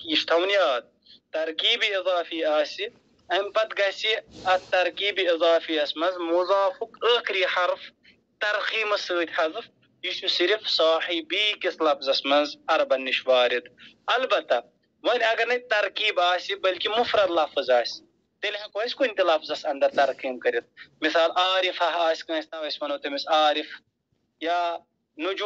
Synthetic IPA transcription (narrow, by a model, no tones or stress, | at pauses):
kiːʃt̪ʰɐwnjaːt̪̚ | t̪ɐɾkiːbiizˤɑːfiːaːsi | ɐnpɐt̪ɡɐsiɐt̪ːɐɾkiːbiizɑːfiːɐsmɐnzmuzaːfukəːkɾiːħɐɾf | t̪ɐɾxiːmɐsəːt̪ʲħɐzɨf | jiʃusiɾfsaːħibiːkislɐfzɐsmɐnzɐɾɐbɐnːiʃwaːɾid̪ɐlbɐt̪ːɐ | ʋɐnʲɐɡɐɾnɐt̪ɐɾkiːbaːsʲibɐlkimufɾɐd̪lɐfɨzaːsi̥ | t̪elʲɦɐ̃koːsʲkunʲt̪ilafzɐsɐnd̪ɐɾt̪ɐɾqiːmkɐɾit̪̚misaːlʔaːɾifɐɦaːsʲkɐ̃ːsʲt̪ɐʋɐsʲmɐnut̪ɐmisaːɾif | jaː | nud͡ʒu